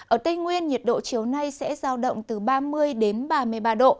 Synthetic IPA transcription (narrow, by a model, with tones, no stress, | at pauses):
ʔəː˧˩t̪ə˧jŋwi˧ənɲi˨˩ət̚ɗo̰˧˨t͡ɕi˨˦əwna˧jsɛ̰˧˥zaː˧wɗə̰˧˨wŋ͡mt̪ɨ˨˩ɓaː˧mɨ˧əjɗe˨˦nɓaː˧˩mɨ˧˩əjɓaː˧ɗo̰˧˨